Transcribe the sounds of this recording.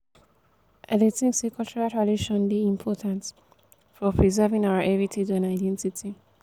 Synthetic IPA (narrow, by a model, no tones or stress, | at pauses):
ʔɛdetĩŋksekʰɔlt͡ʃɛɹaltɹadiʃɔ̃nbiĩmpʰɔtʰãnt | fɔpʰɹizɜvĩŋaʊəɹʔɛvitʰid͡ʒãnaɪdɛ̃ntitʰi